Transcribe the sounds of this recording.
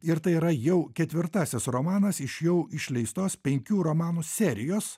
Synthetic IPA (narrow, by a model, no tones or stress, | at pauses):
ɪɾt̪ɐɪiɾɐjɛʊkʲɛt̪ʲʋʲɪɾt̪ɑːsʲɪsɾomɑːnɐsɪʃjɛʊɪʃʲlʲɛɪst̪oːspʲɛŋʲkʲuːɾomɑːnuːsʲɛɾʲɪjoːs